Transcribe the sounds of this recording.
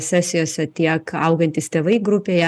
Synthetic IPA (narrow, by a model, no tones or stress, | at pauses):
sʲɛsʲɪjoːsʲɛt̪ʲiɛkɐʊɡɐnʲt̪ʲɪst̪ʲeːʋɐɪɡɾʊpʲeːjɛ